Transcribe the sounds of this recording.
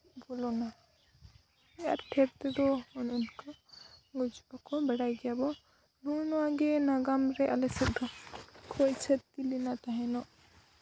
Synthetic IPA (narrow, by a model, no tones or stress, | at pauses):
bɔlɔna | ɛja̰ɾʈʰɛɾt̪ɛd̪ɔɔnunkaɡɔd͡ʒbakɔbɛɽajd̪ɛjabɔ | nunɔwaɡɛnaɡamɾɛʔalɛsɛt̪̚ˀdɔkʰɔjt͡ʃʰət̪tːilinat̪aɦɛnɔʔ